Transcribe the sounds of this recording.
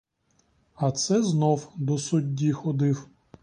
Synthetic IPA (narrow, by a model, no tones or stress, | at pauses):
ɐt̪sɛznɔwd̪ɔsʊdʲːixɔd̪ɪw